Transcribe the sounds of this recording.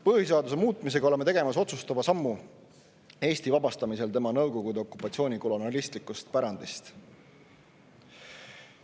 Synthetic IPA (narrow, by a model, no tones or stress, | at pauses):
pɤhis̬eɑd̪us̬e̞muːt̪ːˑmis̬e̞ɡɑoleme̞t̪e̞ɡe̞mɑso̞t̪sust̪ɑvɑsɑmːu | e̞ːsʲt̪ivɑbɑst̪ɑmise̞lt̪e̞mɑnɤwko̞ɡ̥ud̪e̞o̞kːˑupːˑɑt̪sio̞ːnʲiko̞lonɑlist̪likːˑust̪̚pæɾɑnd̪̥ist̪